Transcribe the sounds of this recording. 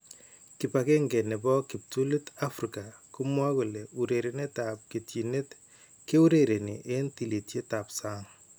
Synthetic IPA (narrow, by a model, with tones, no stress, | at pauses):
kɪ˨pake˦ŋɡɛ˨ne˨bɔ˦kɪ˨p̚tu˦li˦ta˦fɾika˨kʊmwa˦ku˨leu˨ɾe˨ɾene˦tap̚ke˨tji˨ne˦t | ke˦u˦ɾeɾe˨ne˨ʔe˦nti˨li˨tje˦ta˨psaː˦ŋ